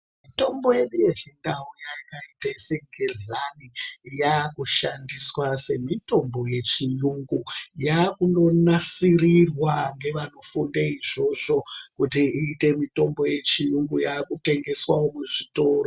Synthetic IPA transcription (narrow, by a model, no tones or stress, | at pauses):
mito̞mbo̞je̞ɗuje̞ʐindaujaikaitaiseɡʱerlanijakuʃandiswase̞mito̞mbo̞je̞t͡ʃijuŋɡujakuno̞nasirirwaŋɡe̞ʋano̞fundaiʐo̞ʐo̞kutiiːte̞mito̞mbo̞je̞t͡ʃijuŋɡujaːkute̞ŋɡe̞swaomuʐito̞ːro